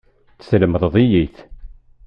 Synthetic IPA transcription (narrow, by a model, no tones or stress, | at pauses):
θsləməðˤəðˤijiθ